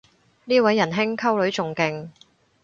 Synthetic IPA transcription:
niː˥wɐ˨˥jːɐ˨˩nɦɪ˥ŋkʰɐ˥wlɵ˨˥ɥt͡sʊ˨ŋkɪ˧ŋ

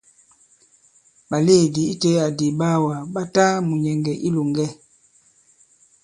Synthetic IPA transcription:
ba˨le˦˨di˨i˦te˦a˨di˨ba˦wa˨ba˦ta˦mu˨ɲɛ˨ŋɡɛ˨ʔi˦lo˨ŋɡɛ˦

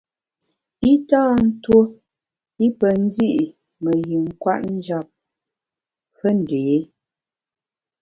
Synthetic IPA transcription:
i˦taː˦˨n̩˦two˦ | i˦pə˨n̩˦zi˦ʔi˨ | mə˨ɣi˨ŋ̩˦kwa̰˦ʔn̩˦d͡ʒa˦˨p̚ | fə˦n̩˨de˨˦

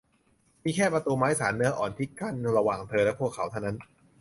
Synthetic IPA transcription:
miː˧kʰɛː˥˩pɾa˧t̪uː˧maː˦˥jsaː˩˦nːɯ˦˥ɐʔɔː˨˩nt̪ʰi˦˥˩ka˥˩nɾa˧waː˨˩ŋt̪ʰɤː˧lɛ˦˥pʰu˥˩kʰːa˩˦wt̪ʰa˥˩wna˦˥n

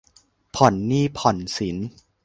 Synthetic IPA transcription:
pʰɔ˨˩nːiː˥˩pʰɔ˨˩nsi˩˦n

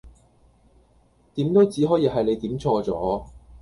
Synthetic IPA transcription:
t̪iː˨˥mt̪o˥wt͡siː˨˥ɦɔː˨˥jiː˨˧ɦɐ˨jle˨˧jt̪iː˨˥mt͡sʰɔː˧t͡sɔ̰ː˨˥

